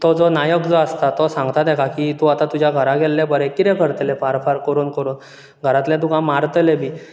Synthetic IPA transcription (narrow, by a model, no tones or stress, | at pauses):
t̪ɔd͡zɔnajəkd͡zɔast̪at̪ɔsãŋɡt̪ad̪ɛkʰakit̪ũat̪at̪ud͡ʑjaɡʱəɾaɡʱɛlːɛbəɾɛkit̪ɛ̃kəɾt̪lɛfaɾfaɾkəɾuːnkəɾuːn | ɡʱəɾat̪lɛ̃t̪ũkãmaɾt̪lebʱiː